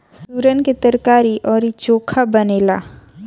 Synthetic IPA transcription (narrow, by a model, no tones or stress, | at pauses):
suːɾənket̪əɾkaːɾiʔɔːɾit͡ʃoːkʰabəneːla̰ː